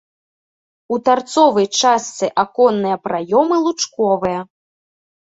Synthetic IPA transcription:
ut̪art̪sɔvɐjt͡ʂast̪sɨʔakɔnːɨjɐpɾajɔmɨlˠut͡ʂkɔvɨjɐ

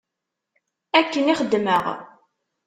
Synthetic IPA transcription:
ækːəniχəd̪ːməʁ

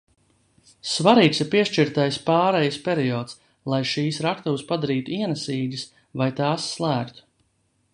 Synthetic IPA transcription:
svaɾiːksiɾpiɛʃt͡ʃiɾt̪ajspɑːɾɛjspʲeɾiɔːt̪s | lˠajʃiːsɾakt̪uwspad̪aɾiːt̪uiɛnɛsiːɡ̪ʲis | vajt̪aːsːlˠæːkt̪u̥

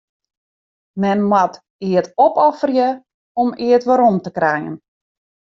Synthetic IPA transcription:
mɛnmwat | iətɔpɔfərjə | ɔmiətʋaɾɔmtəkrɛjə̰n

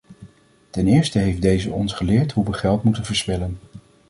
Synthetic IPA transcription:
tɛnɪːɹstəɦejfdejzəɔnsχəlɪːɹtɦuʋəχɛlˠtmutənvəɹspɪlən

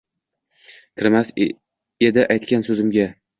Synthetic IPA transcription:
kʲʰɪɾmas | e̞d̪ɪʔajt̪kʲansɵzɪmɡʲa

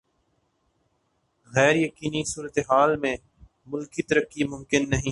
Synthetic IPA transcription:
ɣɛːɾjəkiːnisuːɾət̪eɦaːlmẽ | mʊlkit̪əɾəkːimʊ̃mkɪnːɐɦĩː

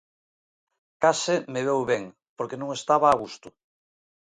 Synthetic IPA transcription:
kasɪmeβewβeŋ | poɾkenõŋest̪aβaːɣust̪ʊ

